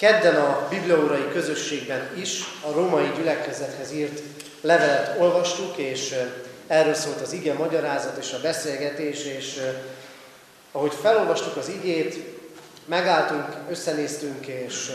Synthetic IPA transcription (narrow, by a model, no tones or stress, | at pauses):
kɛd̪ːɛnɒbibliɒuɾɒjikø̞zø̞ʃːeːɡbɛniʃɒɾoːmɒjiɟylɛkɛzɛt̪hɛziːrt̪ | lɛvɛlɛt̪o̞lvɒʃt̪ukeːʃɛrːøːlsoːlt̪ɒziɡɛmɒɟɒɾaːzɒt̪eːʃɒbɛseːlɡɛt̪eːʃeːʃ | ɒɦo̞cfɛlo̞lvɒʃt̪ukɒziɡeːt̪ | mɛɡaːlt̪uŋkø̞sːɛneːst̪yŋkeːʃ